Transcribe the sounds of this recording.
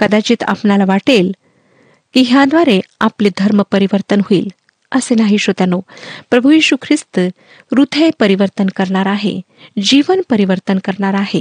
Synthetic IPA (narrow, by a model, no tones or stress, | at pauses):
kəd̪at͡ɕiːt̪a̰pɳalaʋaʈel | kiɦjad̪ʋaɾeaplid̪ʱəɾməpəɾiʋəɾt̪ənɦoiːl | əsenaɦiɕot̪anopɾəbʱujiːɕukʰɾist̪ | ɾud̪ʰʱəjpəɾiʋəɾt̪ənkəɾɳaɾaɦḛ | d͡ʑiʋənpəɾiʋəɾt̪ənkəɾɳaɾaɦe